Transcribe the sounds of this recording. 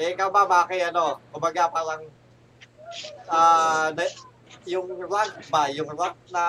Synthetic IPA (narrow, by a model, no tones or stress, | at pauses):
ɪkabamaakɛjɐnokʊmbɐɡapaːɾaŋ | ʔaːnɐ | jʊŋlak̚bajʊŋlak̚na